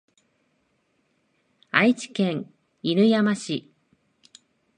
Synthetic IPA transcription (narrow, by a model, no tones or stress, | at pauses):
ait͡ɕi̥kẽ̞ŋ | iɾɯ̟jamaɕi